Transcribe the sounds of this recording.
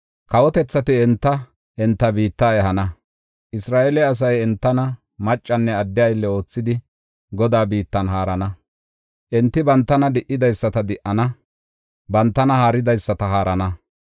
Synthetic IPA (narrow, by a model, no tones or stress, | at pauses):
kɐwɔt̪ɛt͡sːɐt̪ɪɛnt̪ːɐ | ɛnt̪ːɐbiːt̪ːaɛɦɐnɐ | ʔɪsɾaːʔɛlɛɐs̬ɐjɛnt̪ːɐnɐ | mɐt͡ʃʼːɐnːɛɐd̪ːɪjɐjlːɛo̞ːt͡sːɪd̪ɪ | ɡɔd̪aːbiːt̪ːɐnɦaːɾɐnɐ | ʔɛnt̪ːɪbɐnt̪ːɐnɐd̪ɪʔɪd̪ɐjsːɐt̪ɐd̪ɪʔɐnɐ | bɐnt̪ːɐnɐhaːɾɪd̪ɐjsːɐt̪ɐɦaːɾɐnɐ